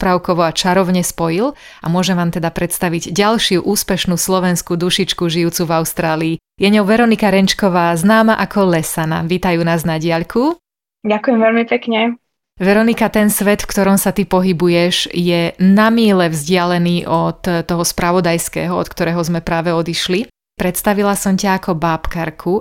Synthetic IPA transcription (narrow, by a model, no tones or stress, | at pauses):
pɾaʊkɔʋɔat͡ʃaɾɔʊɲɛspɔjil | amʊɔʒɛmʋaːmt̪ɛd̪apɾɛt̪st̪aʋiɟɟalʃɪuʔuːspɛʃnuːslɔʋɛnskud̪uʃit͡ʃkuʒijuːt͡suvaʊst̪ɾaːliː | jɛɲɔʊʋɛɾɔnikaɾɛnt͡ʃkɔʋaːznaːmaʔakʰɔlɛsana̰ʋiːt̪ajuːnaːznaɟɪaʎkʰu | ɟakujɛmʋɛlmipɛkɲɛ | ʋɛɾɔnikat̪ɛnsʋɛt̪fkt̪ɔɾɔmsat̪ipɔɦibujɛʒjɛnamiːlɛvzɟɪalɛniːʔɔt̪ːɔɦɔspɾaʋɔd̪ajskɛ̰ːɦɔɔ̰t̪̚kt̪ɔɾɛːɦɔzmɛpɾaːʋɛɔd̪iʃli | pɾɛt̪st̪aʋilasɔmcaːkʰɔbaːpkaɾkʰu